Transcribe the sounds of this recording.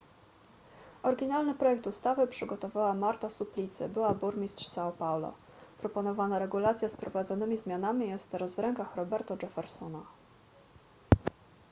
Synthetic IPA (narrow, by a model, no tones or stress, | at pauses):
ɔɾɡʲinalnɘpɾɔjɛkt̪ust̪avɘpʂɘɡɔt̪ɔvawamaɾt̪asuplʲit̪sɘ̰bɘwabuɾmʲist̪ʂsaɔpawlɔ̰ | pɾɔpɔnɔvanaɾɛɡulat̪sʲjaspɾɔvad̪zɔnɘmʲizmʲjanamʲijɛst̪ɾɔzvɾɛŋkaxɾɔbɛɾt̪ɔʐɛfɛɾsɔna